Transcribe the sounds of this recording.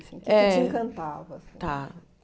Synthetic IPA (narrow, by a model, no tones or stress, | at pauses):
ĩɛĩkɐ̃nt̪avɐst̪a